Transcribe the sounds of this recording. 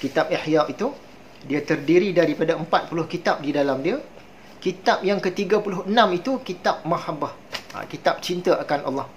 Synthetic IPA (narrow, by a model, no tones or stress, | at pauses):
kit̪ap̚iħjaʔit̪u | diat̪ərdiɾidaɾipadaəmpat̪̚pulʊhkit̪ap̚didalamdia | kit̪ap̚jaŋkət̪iɡapulʊhənãmit̪ukit̪ap̚mãhabah | a̰kit̪ap̚t͡ʃint̪əʔakanʔɑ̰lˠːɑh